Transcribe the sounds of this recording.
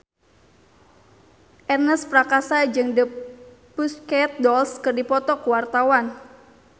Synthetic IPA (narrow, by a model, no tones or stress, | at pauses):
ʔɛrnəspɾakasad͡ʒɨŋdəpuskɛt̪̚dɔlskɨrdipɔt̪ɔkuwart̪awan